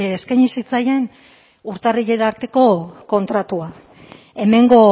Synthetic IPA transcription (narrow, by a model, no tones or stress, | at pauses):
eskajɲisit͡saje̞n | uɾt̪ariʎeɾaɾt̪e̞ko̞ko̞nt̪ɾat̪ua | e̞me̞ŋɡo̞